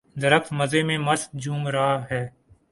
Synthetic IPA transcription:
d̪əɾəkməzemẽməst̪̚d͡ʒuːmɾaːɦɛː

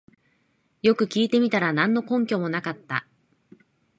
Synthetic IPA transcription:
jo̞kɯ̟kʲiːt̪e̞mʲit̪aɾanãnːo̞kõ̞ŋkʲo̞mo̞nakat̪ːa̰

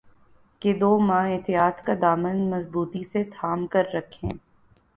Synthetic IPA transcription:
ked̪oːmãːɦɪt̪ijaːt̪kad̪aːmənmɐzbuːt̪iset̪ʰaːmkɐɾːɐkʰẽː

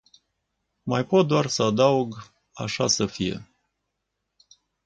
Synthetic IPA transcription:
majpot̪̚d̪oarsəad̪auɡ | a̰ʃasəfije̞̰

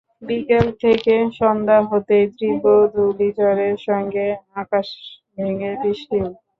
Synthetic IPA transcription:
bikelt̪ʰekeʃɔnd̪aɦot̪ed̪ɾibod̪ʱulid͡ʑɔɾeɾʃɔŋɡeakaʃ | bʱiŋebiʃʈil

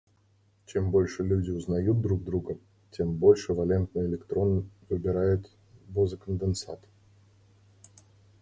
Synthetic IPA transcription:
t͡ɕe̞mbo̞lʲʂɨlʲʉdʲɪʊznɐjut̪̚d̪ɾuɡ̚d̪ɾuɡə | tʲe̞mbo̞lʲʂɨvɐlʲe̞nt̪nɨjɪlʲɪkt̪ɾo̞nvɨbʲɪɾajʊt̪ | bozəkənd̪ɨnsa̰t̪

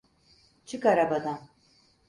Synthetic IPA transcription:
t͡ʃʰɯkaɾabad̪an

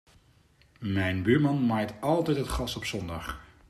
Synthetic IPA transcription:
mɛjnbyːɹmɑnmaːjtɑlˠtɛjtɦətχɑstɔpsɔndɑχ

